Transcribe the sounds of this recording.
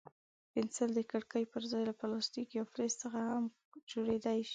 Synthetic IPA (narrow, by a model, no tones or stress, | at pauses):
pɪnsəld̪əkaɽkəjpəɾzɑjlapɑlɑst̪ikjawfɾest̪t͡səxaham | d͡ʒoɽed̪ajʃi̥